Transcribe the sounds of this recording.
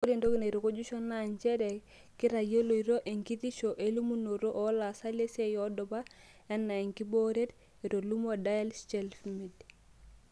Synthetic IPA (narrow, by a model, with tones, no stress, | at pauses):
o˦ɾe˨ndo˦ki˦ne˨ɾo˨ko˦d͡ʒu˦ʃo˦na˦˨ɲt͡ʃɛ˦de˨ | ki˦ɾa˨jo˦lo˨i˨ɾo˦ʔe˨ŋki˦ti˦ʃo˨ʔe˦lu˦mu˦no˨ɾo˦ʔo˦la˨sa˦le˦se˦jo˦dɔ˨ba˦ | ɛ˦nːa˨e˨ŋki˦bo˦ɾe˦t | i˨ɾo˨lu˦mo˦da˦ɛ˦lst͡ʃe˦lfmi˨d